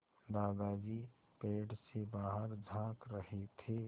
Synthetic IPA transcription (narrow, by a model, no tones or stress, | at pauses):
d̪aːɡaːd͡ʒi | peːɖsebaːɦəɾd͡ʒʱãːkɾəɦet̪ʰe